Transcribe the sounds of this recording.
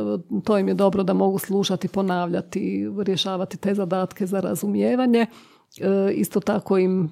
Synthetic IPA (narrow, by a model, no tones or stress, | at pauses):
t̪oːjimjed̪o̞bɾod̪amo̞ɡuslˠuʃat̪ipo̞naːʋʎat̪iɾjeʃaːʋat̪it̪e̞ːzad̪aːt̪ke̞zaɾa̰zumjeːʋaɲe̞ | ḭst̪ot̪akoim